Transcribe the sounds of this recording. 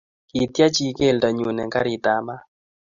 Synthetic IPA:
ki˨t̪ja˦t͡ʃi˦ke˦˨lda˨ɲu˨nɛ˨ŋka˦ɾi˨t̪a˨ma˦

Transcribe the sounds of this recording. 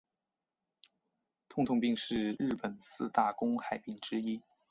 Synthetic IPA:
t̪ʰʊ˥ŋt̪ʰʊ˥˧ŋpi˥˧ŋʂɻ̩˥˧ɻ̩˥˩pə˨˩nsɹ̩˥˧t̪a˥˩kʊ˥ŋxa˨˩ɪpi˥˩ŋʈ͡ʂɻ̩˥i˥

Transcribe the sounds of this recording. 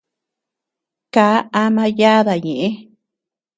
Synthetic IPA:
kaː˨˦a˧mã˧ja˦ða˨ɲẽ˨ʔẽ˦

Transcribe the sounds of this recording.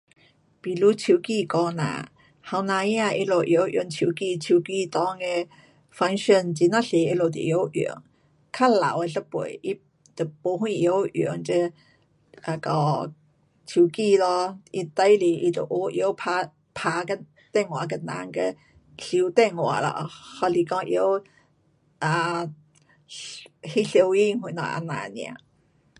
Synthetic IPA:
pi˨lu˨˦t͡ɕʰu˧ki˥˧˨kɔ˧nã̰˨ | ha˧wnã˧i˦a˧ʔi˧lo˨˩ʔjo˨˧˦ʔjo̰˧˦ŋt͡ɕʰiu˧ki˥˧t͡ɕʰi˧ki˧t̪ɔ˧˦ŋe˧ | fa˧ŋʃə˥˧˨nt͡ɕi˧nã˦˥˨ɬe˨˦i˧lo˨˩t̪̬ḭ˨˩˨jo˨˦wʔj̰ə˦ŋ | kʰa˥˩la̰˨we˧ɬə˦pwo̰˨˦i˧˦ | t̪ə˨˩po˧hwĩ˥˧jo˧˦o̰˨˦ŋt͡ɕə˧ | a˧kɔ˧˩ | t͡ɕʰu˧ki˧lɔ˧i˧t̪a˧˦jli˧˩ʔi˧t̪ə̰˨˩ʔo˧˦ʔjo˧˦pʰa˧˥ | pʰa˧kə˧ | t̪ɛ˥˧ŋwa˨˩kə˧nã̰˧˦ŋkə˧ | ɬi˧˦t̪ɛ˥˧˨ŋwa̰˨˩˦lɔ̰˧hɔ˧li˨˩kɔ˧ŋʔjo˧˦w | ʔa˨˧ | hi˦˧ɬjo˧wi˥˧ŋɦwi˧˨˦na̰˨˩ʔa̰˧nã̰˨nj̃ã̰˧˨˦

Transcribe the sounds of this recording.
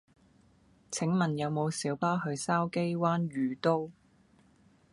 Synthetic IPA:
t͡sʰɪ˨˥ŋmɐ˨njɐ˨˧wmo˨˧wsiː˨˥wpaː˥ɦɵ˨˧ɥsaː˥wke˥jwaː˥nɥyː˨˧t̪o˥w

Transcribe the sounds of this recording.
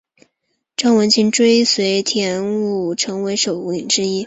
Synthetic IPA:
ʈ͡ʂɑ˥ŋwə˧˥nt͡ɕʰi˧˥ŋʈ͡ʂwe˥ɪswe˧˥ɪt̪ʰjɛ˧˥nu˥˩ʈ͡ʂʰɤ˧˥ŋwe˧˥ɪʂo˨˩ʊu˧˥li˨˩ŋʈ͡ʂɻ̩˥i˥

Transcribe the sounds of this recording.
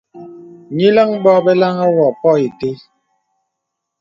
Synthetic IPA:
ɲi˦lə˦ŋbɔ˦bɛ˦la˦ŋa˦wɔ˨pɔ˦e˨te˦

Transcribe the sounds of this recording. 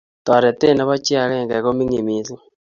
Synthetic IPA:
tɔ˨ɾe˨te˦˨na˦βa˦t͡ʃja˨ɾe˦˨ŋɡe˨ko˦mi˦ŋi˨mi˨˦su˦

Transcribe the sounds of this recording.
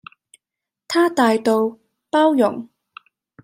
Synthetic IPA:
t̪ʰaː˥t̪aː˨˧jt̪o˨w | paː˥wjʊ̰˨˩ŋ

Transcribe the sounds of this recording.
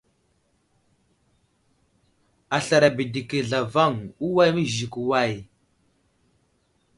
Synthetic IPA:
a˨ɬa˨ɾa˨bi˨di˨ke˨ɮa˨va˦˨ŋu˦wa˦jmə˦ʒi˨ku˨wa˦˨j

